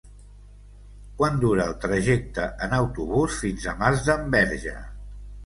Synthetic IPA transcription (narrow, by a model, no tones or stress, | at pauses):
kwand̪uɾəːlˠt̪ɾəʒek̚t̪əʔənəwt̪uβusfinzəmazðəmbɛɾʒə̰